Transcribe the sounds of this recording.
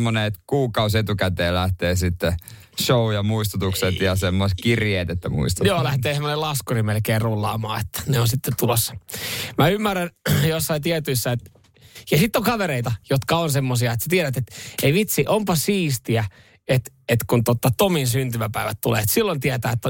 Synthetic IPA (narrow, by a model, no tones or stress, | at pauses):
mːonet̪kuːkɑuset̪ukæt̪eːlæht̪eːsit̪ːe | ʃoujɑmuist̪ut̪ukset̪jɑsemːoist̪kirjeːt̪et̪ːæmṵist̪ɑjoːlæht̪eːsemːonelɑskurimelkeːrrulːɑ̰ːmɑ̰ːet̪ːæ̥neonsit̪ːett̪ulosːɑ̥mæymːærænjosːɑit̪iæt̪yisːæet̪ | jɑsit̪ːoŋkɑʋeɾeit̪ɑjot̪kɑonsemːosiɑet̪sæ̥t̪ieɾæt̪et̪eiʋit̪siʔompɑsiːst̪iæ | et̪ | et̪kunt̪ot̪ːɑt̪ominsynt̪ymæpæiʋæ̰t̪t̪ulḛːet̪silːont̪iæt̪æːet̪ːæ